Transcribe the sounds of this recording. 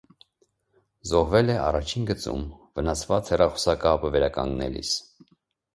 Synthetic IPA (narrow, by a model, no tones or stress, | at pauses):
zɔɦvɛlɛʔɑ̰rɑt͡ʃʰinɡət͡sṵmvənɑsvɑt͡shɛrɑχɔ̥sɑkɑpəvɛɾɑkɑ̰ŋɡnɛ̰lḭs